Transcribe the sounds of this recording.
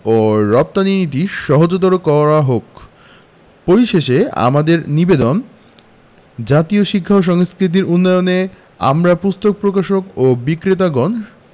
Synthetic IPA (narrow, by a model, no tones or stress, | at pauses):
oɾɔp̚t̪aninit̪̬iʃɔɦod͡ʑot̪̬ɔɾokɔɾaɦok | poɾiʃeʃea̰mad̪eɾnibed̪on | d͡ʑat̪ioʃikʰːaoʃ̬ɔŋskɾit̪̬iɾunːɔjone | a̰mɾapust̪ok̚pɾokaʃokobikɾit̪̬aɡɔn